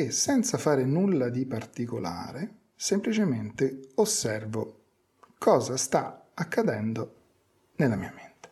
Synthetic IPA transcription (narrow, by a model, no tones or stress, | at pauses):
esːɛnt̪safaːɾenulːad̪ipart̪ikola̰ːɾe | semplit͡ʃement̪eosːɛrvo | kʰɔːzast̪aakːad̪ɛnd̪o | nelːamiːament̪e̥